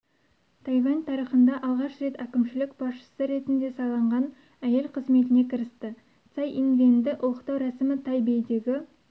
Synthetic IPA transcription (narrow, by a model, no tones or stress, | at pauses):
t̪ʰɑjvɑnʲt̪ʰɑɾiχənd̪ɑʔɑlˠʁɑʃɾe̞t̪ækʲɪmʃɪlɪkb̥ɑsʃə̥səɾe̞t̪ɪnd̪e̞sɑlˠɑɴʁɑn | æje̞lqʰəzme̞t̪ɪne̞kʲʰɪɾɪst̪ɪ | t̪sɑjʔinvend̪ɪʔʊlˠəqt̪ɑwɾɑsɪmɪt̪ʰɑjbe̞jd̪e̞ɡʲɪ